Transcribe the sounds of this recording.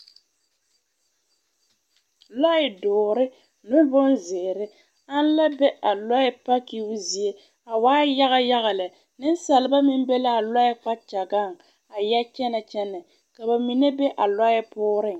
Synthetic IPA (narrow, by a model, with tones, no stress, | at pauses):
lɔ˦ɪ˨dʊː˨ɾɪ˦ | nʊ˦bʊ˦nzɪː˨ɾɪ˦ | a˦n˦la˦bɛ˦ʔa˨lɔ˦ɪ˦pa˦ki˦zi˨e˦ | a˨waː˦ja˦ɣa˦ja˦ɣa˨lɪ˨ | nɪ˦n˦sa˨lɪ˨˦ba˦mɪ˦m˦bɛ˦la˦a˨lɔ˦ɪ˦k͡pa˦t͡ʃa˨ɡa˦˨ŋ | a˨jɛ˦t͡ʃɛ˦nɛ˨t͡ʃɛ˦nɛ˨ | ka˨ba˨mi˨ne˦bɛ˦ʔa˨lɔ˦ɪ˦pʊː˦ɾɪ˦˨ŋ